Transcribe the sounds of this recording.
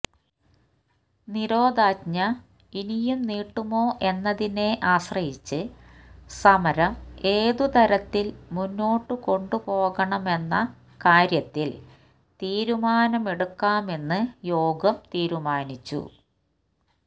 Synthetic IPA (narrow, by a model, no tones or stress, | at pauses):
niɾo̞ːd̪aːtɲɐ | inijumniːʈːumo̞ːʔe̞nːɐðine̞ʔaːɕrɐhit͡ɕːɨ | sɐmɐɾɐme̞ːðut̪ɐɾɐt̪ːilmunːo̞ːʈːɨko̞ɳɖupo̞ːɣɐɳɐme̞nːɐ | kaːɾjɐt̪ːil | t̪iːɾumaːnɐme̞ɽukːaːme̞nːɨjo̞ːɡɐmt̪iːɾumaːnit͡ɕːṵ